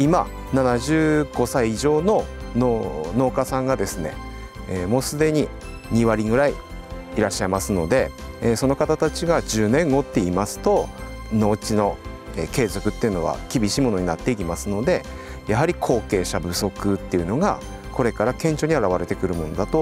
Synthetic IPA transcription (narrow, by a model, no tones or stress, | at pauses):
ima | nanaʑɨːɡ̥o̞saiːʑo̞ːno̞nono̞ːkasãŋɡad̪e̞sɨne̞̰ | eːmo̞ːsɨd̪e̞ɲ̟i | ɲ̟iβaɾʲiɡɯ̟ɾai | iɾaɕːaimasɨno̞d̪e̞so̞no̞kat̪at̪at͡ɕiɡaʑɨːnẽ̞ŋɡo̞t̪ːe̞imasɨ̥t̪o̞no̞ːt͡ɕino̞ḛːke̞ːzo̞kɯ̟t̪ːeiɯ̟no̞β̞a̰kʲibʲiɕiːmo̞no̞ɲ̟inat̪ːe̞ik̬ʲimasɨno̞d̪e̞ | jaɦaɾʲikʰo̞ːke̞ːɕabɯ̟so̞kɯ̟t̪ːe̞iɯ̟no̞ɡa | ko̞ɾe̞kaɾakẽ̞ɲ̟t͡ɕo̞ːɲ̟iaɾaβ̞aɾe̞t̪e̞kɯ̟ɾɯ̟mo̞no̞d̪at̪o̞